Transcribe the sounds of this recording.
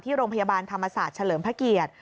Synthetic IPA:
t̪ʰiː˥˩ɾoː˧ŋpʰa˧jaː˧baː˧nt̪ʰa˧mːa˧saː˨˩t̪̚t͡ɕʰa˧lɤː˩˦mpʰɾa˧˥ki˨˩ət̪̚

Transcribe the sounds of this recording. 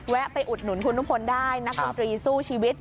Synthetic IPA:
wɛ˦˥ʔpa˧jʔu˨˩t̪̚nu˩˦nkʰu˧nːu˦˥pʰo˧ndaː˥˩jna˦˥k̚o˧nt̪ɾiː˧suː˥˩t͡ɕʰiː˧wi˦˥t̪̚

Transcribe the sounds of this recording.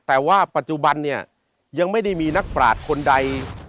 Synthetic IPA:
t̪ɛː˨˩waː˥˩pa˨˩t̪̚t͡ɕu˨˩ba˧nːi˥˩ɐ | ja˧ŋma˥˩jda˥˩jmiː˧na˦˥k̚pɾa̰ː˨˩t̪̚kʰo˧nda˧j

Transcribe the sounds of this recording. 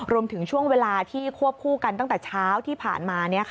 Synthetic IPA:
ɾu˧əmt̪ʰɯ˩˦ŋt͡ɕʰu˥˩əŋweː˧laː˧t̪ʰiː˥˩kʰu˥˩əp̚kʰuː˥˩ka˧nt̪a˥˩ŋt̪ɛː˨˩t͡ɕʰaː˦˥wt̪ʰiː˥˩pʰa̰ː˨˩nmaː˧ni˥˩ɐkʰ

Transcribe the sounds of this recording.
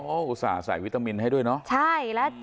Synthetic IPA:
ɔ˦˥ʔuː˧˩saː˩˦a˧saː˨˩˦jwi˦˥t̪aː˧mi˧nɦa˥˩jdu˥˩əjnɔ˦˥ʔt͡ɕʰa˥˩jlɛ˦˥

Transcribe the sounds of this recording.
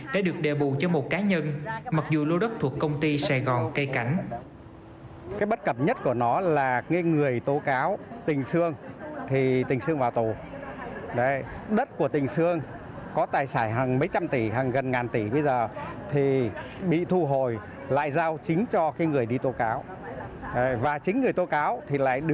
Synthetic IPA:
ɗa̰ː˧˥ɗɨ˨˩ək̚ɗe˨˩ɓu˨˩t͡ɕɔ˧mo˨˩t̚kaː˨˦ɲə˧nma˨˩k̚zu˨˩lo˧ɗə˦˥k̚t̪ʰu˨˩əkkə˧wŋ͡mt̪i˧sa˧˩jɣɔ˨˩nkə˧jka˨˦jŋ̟ | kaː˨˦jɓə˦˥t̚kə˧˩p̚ɲə˦˥t̚ku˧˩ənɔ˨˦laː˨˩ŋa˨˦ŋɨ˨˩əjt̪o˨˦kaː˨˦wt̪ï˨˩ŋ̟sɨ˧əŋt̪ʰi˨˩t̪ï˨˩ŋ̟sɨ˧əŋvaː˨˩wt̪u˨˩ | ɗə˨˦ɗə˦˥t̚ku˧˩ət̪ï˨˩ŋ̟sɨ˧əŋ | kɔ˨˦t̪aː˨˩jsaː˧˩jɦaː˨˩ŋmə˨˦jt͡ɕa˧mt̪i˧˩ɦaː˨˩ŋɣə˨˩nŋaː˨˩nt̪i˧˩ɓə˧jzəː˨˩t̪ʰi˨˩ɓḭ˧˨t̪ʰu˧ɦo˨˩j | la̰ː˧˨jzaː˧wt͡ɕï˨˦ŋ̟t͡ɕɔ˧kaː˨˦jŋɨ˨˩əjɗi˧t̪o˨˦kaː˨˦w | ɗvaː˨˩t͡ɕï˨˦ŋ̟ŋɨ˨˩əjt̪o˨˦kaː˨˦wt̪ʰi˨˩la̰ː˧˨jɗɨ˧

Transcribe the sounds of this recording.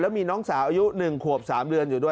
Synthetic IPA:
lɛ˦˥wmiː˧nɔː˦˥ŋsaː˩˦wʔaː˧ju˦˥nɯ˨˩ŋkʰu˨˩əp̚saː˩˦mdɯ˧ənjuː˨˩du˥˩ə

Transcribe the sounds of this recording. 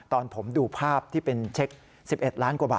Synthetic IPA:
t̪ɔː˧npʰo˩˦mduː˧pʰaː˥˩p̚t̪ʰiː˥˩pe˧nt͡ɕʰe˦˥k̚ | si˨˩p̚ʔe˨˩t̪̚ɾaː˦˥nkwaː˨˧˩ba̰ː˨˩

